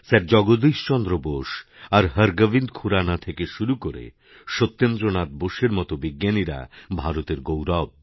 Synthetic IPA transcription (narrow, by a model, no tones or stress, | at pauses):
sɛɾ̚d͡ʑɔɡod̪iʃt͡ɕɔnd̪ɾoboʃaɾɦəɾɡəbind̪kʰuɾanat̪ʰekeʃuɾukoɾḛ | ʃot̪ːend̪ɾonad̪̚boʃeɾmɔt̪obiɡːaniɾa̰bʱaɾot̪eɾɡowɾɔb̚